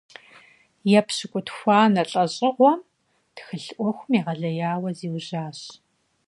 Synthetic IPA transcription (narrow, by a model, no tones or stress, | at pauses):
jɛpɕɨkʷʼʊtxʷɑːnɐɬʼɐɕʼɪʁʷɔm | txɨɬʔʷɔxʷʊmiːʁɐɮɐjaːwɐziːwʑaːɕ